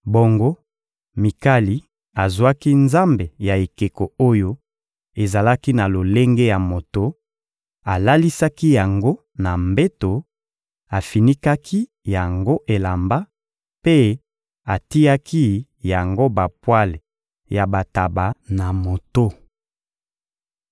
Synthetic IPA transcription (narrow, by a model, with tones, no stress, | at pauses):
bo˨ŋɡo˦ | mi˨ka˦li˨ | a˨zwa˦ki˦nza˦mbe˨ja˨e˨ke˨ko˨o˦jo˦ | e˨za˨la˦ki˦na˨lo˨le˦ŋɡe˦ja˨mo˨to˦ | a˨la˦li˦sa˦ki˦ja˨ŋɡo˦ | na˨mbe˦to˨ | a˨fi˨ni˦ka˦ki˦ | ja˨ŋɡo˦ʔe˨la˨mba˦ | pe˦ | a˨ti˦a˦kʰi˦ | ja˨ŋɡo˦ba˨pwa˦le˨ | ja˨ba˨ta˨ba˨na˨mo˨to˦